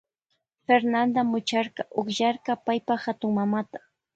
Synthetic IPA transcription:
feɾnand̪amʊt͡ʃɑɾqɑʔoχʒaɾqɑpajpahat̪ʊŋmamat̪ḁ

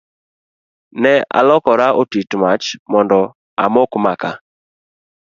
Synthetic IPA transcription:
nɛa̰lɔkɔɾaʔotitmat͡ʃmɔndɔ | a̰mokmaka

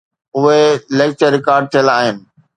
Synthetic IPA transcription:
ʊɦelek̚t͡ɕəɾːɪkaːɾɖ̚t̪ʰijəlaːɦɪnɪ̆

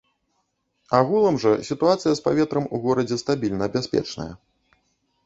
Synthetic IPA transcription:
aɣulˠɐmʐɐsʲit̪uat̪sɨjɐspavʲɛt̪ɾɐmuɣɔɾɐd͡zʲɛst̪abʲilʲnɐbʲasʲpʲɛ̰t͡ʂnɐ̰jɐ̰

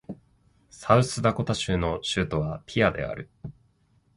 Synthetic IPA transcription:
saɯ̟sɨd̪ako̞t̪aɕɨːno̞ɕɨːt̪o̞βapʲʰiad̪e̞̰a̰ɾɯ̟

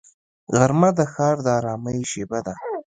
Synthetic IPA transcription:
ɣaɾmad̪əxɑɾd̪əɑɾɑməjʃebad̪a

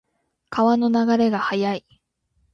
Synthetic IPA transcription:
kaβano̞naɡaɾe̞ɡahajai

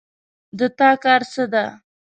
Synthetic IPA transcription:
d̪ət̪ɑkɑɾsəd̪a

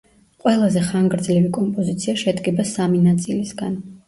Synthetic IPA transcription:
qʼwɛlˠazɛχaŋɡɾd̪zlɛvikʼɔmpʼɔzit̪sʰiaʃɛd̪ɡɛbasaminat̪sʼilisɡan

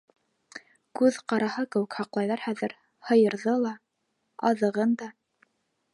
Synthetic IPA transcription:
kʉðqɑɾɑhɤkɘ̆wɘkhɑqlˠɑjðɑɾhæðɘɾ | hɤ̆jɤ̆ɾðɤlˠɑ | ɑðɤ̆ʁɤnd̪ɑ

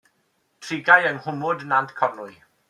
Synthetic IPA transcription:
tʰrɪɡajəŋhʊmʊdnantʰkʰɔnʊɨ

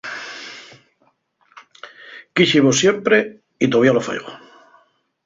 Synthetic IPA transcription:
kiʃiβosjempɾe | it̪oβjalofḛjɣo̰

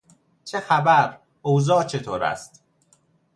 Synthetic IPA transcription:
t͡ʃʰexæbæɾ | owzɒːt͡ʃʰet̪ʰoːɾæ̰st̪

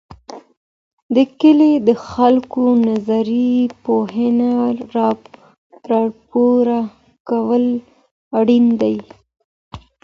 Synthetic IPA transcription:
d̪əkəled̪əxalkonazaɾipoɦɪnaɾɑ | t̪ɾɑɽpoɾa | kawəl | aɽind̪aj

